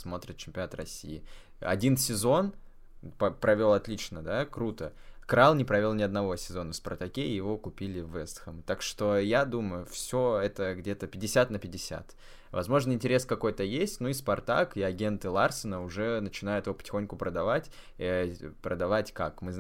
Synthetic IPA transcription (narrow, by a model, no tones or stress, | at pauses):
smo̞t̪ɾʲɪt̪̚t͡ɕɪmʲpʲɪnat̪rɐsʲːḭjɪ | ɐ̰dʲinsʲɪzo̞n | pəpɾʔɐvʲo̞lˠɐt̪lʲit͡ɕnəd̪akɾut̪ə | kɾalˠnʲɪpɾɐvʲolˠnʲɪɐd̪nɐvo̞sʲɪzo̞nəfspɐrt̪ɐkʲeɪjɪvo̞kʊpʲilʲɪvɛst̪xəmt̪akʂt̪o̞jad̪uməjʊfsʲoɛt̪əɡdʲe̞t̪əpʲɪdʲɪsʲat̪nəpʲɪdʲɪsʲa̰t̪ | vɐ̰zmo̞ʐnɨɪnʲtʲɪɾʲe̞skɐko̞jt̪əjesʲtʲnuispɐrt̪a̰kɪɐɡʲe̞nt̪ɨlˠarsənəʊʐɛnət͡ɕɪnajʊt̪ɪvopə̥tʲɪ̥xonʲkʊpɾəd̪ɐvatʲ | pɾəd̪ɐvatʲkakmɨz